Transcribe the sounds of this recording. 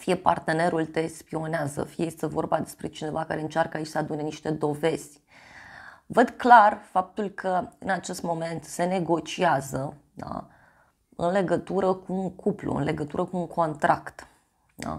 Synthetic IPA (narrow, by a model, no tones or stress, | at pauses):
fijepa̰rt̪e̞ne̞ɾult̪e̞spio̞neazə̰fijeje̞st̪e̞vo̞rbad̪e̞spɾet͡ʃine̞vakaɾe̞ɨnt͡ʃarkəait͡ʃʲsəad̪une̞niʃt̪e̞d̪o̞ve̞z̥ʲ | vəd̪klarfap̚t̪ulkʰəɨnat͡ʃe̞st̪mo̞me̞nt̪se̞ne̞ɡo̞t͡ʃiazə | d̪a̰ | ɨnle̞ɡət̪uɾəkuːŋkuplṵɨ̰nle̞ɡət̪uɾəkuːŋkʰo̞nt̪ɾakt̪ | d̪a̰